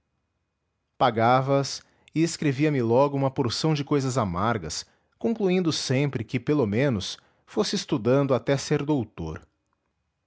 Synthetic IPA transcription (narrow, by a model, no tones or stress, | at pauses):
paɡavɐs | ɪeskɾeviɐmɪlɔɡʊũmɐpoɾsɐ̃w̃d͡ʒɪkojzɐzamaɾɡɐs | kõŋkluĩnd̪ʊsẽmpɾɪkɪpelomẽnʊs | fosɪest̪ud̪ɐ̃nd̪ʊat̪ɛseɾd̪owt̪o̰ɾ